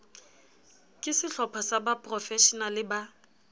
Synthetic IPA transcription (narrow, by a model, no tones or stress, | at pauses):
kʼɪsɪɬɔpʰɔsabapʼrɔfɛʃɔnalɪba